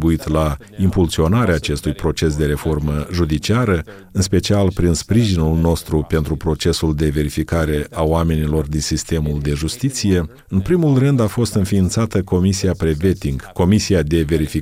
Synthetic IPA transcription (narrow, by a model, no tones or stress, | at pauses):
buit̪la | impulsio̞naɾeaːt͡ʃe̞st̪ujpɾo̞t͡ʃe̞s̬d̪e̞ɾe̞fo̞rməʒud̪it͡ʃiaɾə | ɨnspe̞t͡ʃialpɾinspɾiʒinulno̞st̪ɾupe̞nt̪ɾupɾo̞t͡ʃe̞suld̪e̞ve̞ɾifikaɾe̞ʔaoame̞nilo̞rd̪insist̪e̞muld̪e̞ʒust̪it̪sije̞ | ɨnpɾimulrɨnd̪afo̞st̪ɨnfiːnt̪sat̪əko̞misiapɾeve̞t̪iŋɡko̞misijad̪e̞ve̞ɾifi